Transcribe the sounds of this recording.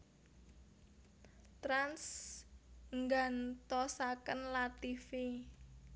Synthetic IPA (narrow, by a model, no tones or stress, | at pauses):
t̪ɾans | ŋɡant̪ɔsakənlat̪ifi